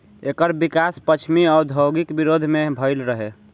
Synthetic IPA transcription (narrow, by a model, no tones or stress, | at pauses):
ekəɾbikaspət͡ʃʰmiɔɾd̪ʱəwɡikbiɾod̪ʱmebʱəɪlɾəɦe